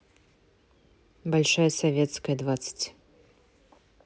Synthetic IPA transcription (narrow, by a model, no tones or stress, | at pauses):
balʲʂajɐsavʲɛt̪skɐjɐd̪vat̪sə̥t͡sʲ